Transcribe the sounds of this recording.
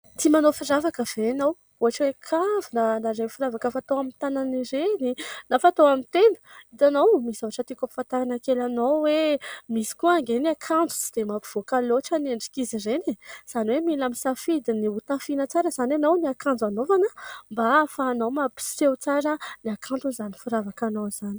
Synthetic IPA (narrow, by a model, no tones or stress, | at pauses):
t̪imanofiravakəv̥enow | uɦaʈ͡ʂwekʰavinənaɾemfiɾavakəfat̪oamint̪ananiɾeninafat̪oamint̪enə̥it̪anowmisaaʈ͡ʂət̪ikapi̥fat̪aɾanakelanowwemisi̥kuaŋɡeniakʰand͡zu̥t͡sid̪̥emapiv̥okaloʈ͡ʂəneɳɖ͡ʐi̥kizirenez̥aniwemilamisafid̪iniut̪afinət͡saɾəzananowniakand͡zanovanəmbafaːnowmapi̥sewt͡saɾəniakʰant̪uzanifiɾavakanowz̥ani̥